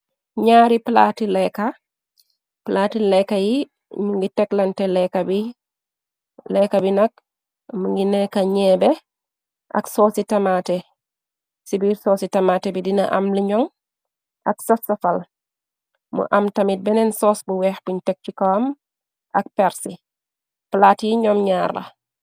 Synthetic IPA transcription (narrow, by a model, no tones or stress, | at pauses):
ɲaːɾipla̰tilɛka | platilɛkːaji | ɲuŋɡitɛklɐntɛlɛkɐbi | lɛkɐbinɐk̚ | muŋɡinɛkɐɲɛːbɛ | ʔɐ̰ksɔːsitɐmatɛ | sibiɾsɔːsitɐmatɛbidinɐ̰ʔa̰mliɲɔŋ | ʔɐksɐfsɐfɐl | mṵʔɐmtɐmit̚bɛnɛnsɔːsbuwɛːxbuɲtɛk̚t͡ʃukawɐm | ʔɐk̚pɛɾsi | plaːtjiɲɔmɲaːɾlɐ̰